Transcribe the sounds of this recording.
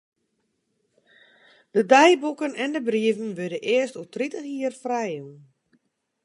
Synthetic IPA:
d̥ədɛjbukənɛndəbriəvənʋødəʔɪəstutritəxiərfrɛjun

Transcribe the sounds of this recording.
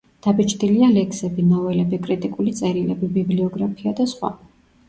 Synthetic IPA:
d̪̥abit͡ʃʰʼd̪ilialɛkʰsɛbinavɛlɛbikʼɾit̪ʼikʼulit̪sʼɛɾilɛbibibliɔɡɾapʰiad̪asχwa̰

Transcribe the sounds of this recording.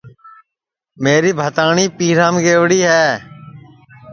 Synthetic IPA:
meːɾiːbʱət̪aːɳiːpiːɾãːmɡeːʋɽiːɦɛː

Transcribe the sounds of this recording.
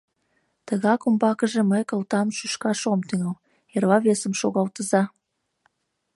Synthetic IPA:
t̪əɣɑkumbɑkəʒĕməjkəlt̪ɑmʃyʃkɑʃomt̪yŋəl | erβɑβesəmʃoɣɑlt̪əzɑ

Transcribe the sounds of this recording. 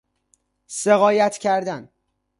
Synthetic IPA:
seɣɒːjæt̪ʰcʰæɾd̪æn

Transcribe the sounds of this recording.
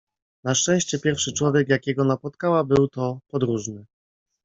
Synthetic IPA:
naʂt͡ʂɛ̃w̃ɕt͡ɕɛpʲjɛɾfʂɘt͡ʂwɔvʲjɛkjakʲɛɡɔnapɔt̪kawabɘwt̪ɔpɔd̪ɾuʐnɘ

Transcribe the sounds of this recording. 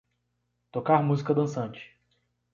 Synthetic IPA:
t̪okaɾmuzikɐd̪ɐ̃sɐ̃nt͡ʃɪ̥

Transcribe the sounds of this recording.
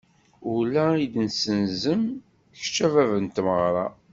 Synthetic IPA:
ʊlæid̪nsənzəm | ç̥t͡ʃːævævənt̪məʁɾˤɑ̰

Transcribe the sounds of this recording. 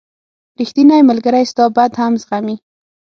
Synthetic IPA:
ɾixt̪inajmalɡaɾajst̪ɑbad̪hamzɣami

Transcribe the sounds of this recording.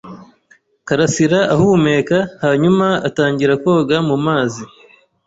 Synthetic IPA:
kaɾasiɾaʔahume̞kahaːɲumaataːɲɟiɾako̞ːɡamumaːzi

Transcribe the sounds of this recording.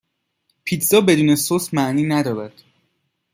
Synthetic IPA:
pʰiːt̪ʰzɒːbe̞d̪uːne̞sosmæʔniːnæd̪ɒːɾæd̪̥

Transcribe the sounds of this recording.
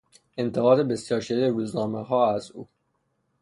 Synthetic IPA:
e̞nt̪ʰeɣɒːd̪ebe̞sjɒːɾʃeleɾuːznɒːmeɦɒːæzuː

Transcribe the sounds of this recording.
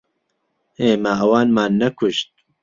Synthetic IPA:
eːmɐɐwɑːnmaːnːɐkʰʊʃt̪̚

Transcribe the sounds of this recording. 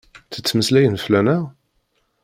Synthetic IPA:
t͡sːə̥t͡sːməslæjənflænæʁ

